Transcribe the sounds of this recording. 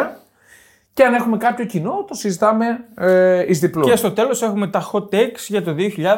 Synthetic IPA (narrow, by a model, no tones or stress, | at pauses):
ɐ | ceɐne̞xume̞kɐpço̞cino̞t̪o̞sizit̪ɐme̞ | izðipluest̪o̞t̪e̞lo̞se̞xume̞t̪ɐxo̞t̪eksʝɐt̪o̞ðio̞çiʎɐð